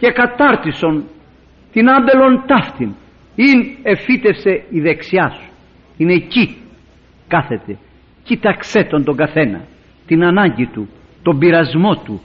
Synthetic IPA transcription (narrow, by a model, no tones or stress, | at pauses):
ce̞kɐt̪ɐɾt̪iso̞n | t̪inɐmbe̞lo̞nt̪ɐft̪in | ine̞fit̪e̞fse̞iðe̞ksiɐsu̥ | ine̞ci | kɐθe̞t̪e̞ | cit̪ɐkse̞t̪o̞nd̪o̞ɡɐθe̞nɐ̰ | t̪inɐnɐɲɟit̪u | t̪o̞mbiɾɐzmo̞t̪ṵ